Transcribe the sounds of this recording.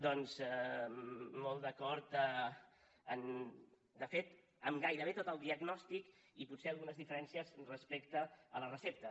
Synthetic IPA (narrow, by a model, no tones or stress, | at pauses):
d̪ɔnz | molˠd̪əkɔɾt̪ə | ən | d̪əfet̪ | əmɡajɾəβet̪ot̪əlˠd̪iəɡnɔst̪ik | iput̪seəlˠɣunəzðifəɾɛnsiəzrəspekt̪əələrəsep̚t̪ə